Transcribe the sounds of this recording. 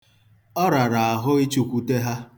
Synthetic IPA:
ɔ˦ɾa˨ɾa˨a˨ɦʊ˦i˦t͡ʃu˦kʷu˦te˦ɦa˦

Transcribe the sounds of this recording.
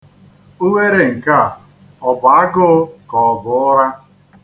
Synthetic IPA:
u˦we˦ɾe˨ŋ̩˨ka˦˨ | ɔ˨ba˨a˦ɡʊ˦kɔ˨bʊ˨ʊ˦ɾa˦

